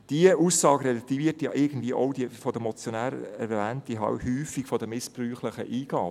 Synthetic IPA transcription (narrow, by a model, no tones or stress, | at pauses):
d̥iəʔuːsɑːɡɾɛlətːivɪtjɑ̰ʔɪɡən̩d̥̪viəʔowdifɔd̥̪əmɔt͡sjɔnæːɾɛ̰ɾvæːntd̥iɦɑ̰wthyːfikfɔd̥əmɪspryːχləχəʔiːɡɑː